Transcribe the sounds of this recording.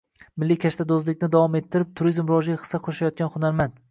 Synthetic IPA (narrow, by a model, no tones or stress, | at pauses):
mɪlːikʲʰaʃt̪ʰad̪ozlɪk̚ʲnɪd̪avɒme̞t̪ʰːɪɾɪp̚t̪ʰʊɾizmɾɒʒaχɨ̥sːaqʰoʃajɒt̪̚kʲanχʊnaɾmand̪